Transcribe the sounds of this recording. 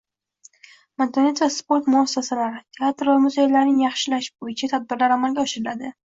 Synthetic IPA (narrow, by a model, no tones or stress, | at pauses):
mant̪ʰonet̪sjaspo̞ɾt̪mʊasːasalaɾɪt̪ʰe̞at̪ɾvamʊzejlaɾnɪŋjɑχʃɪlaʃbojɪt͡ʃʰat̪ʰad̪̚bɪɾlaɾamalɡʲaɔʃɪɾɪlad̪ɪ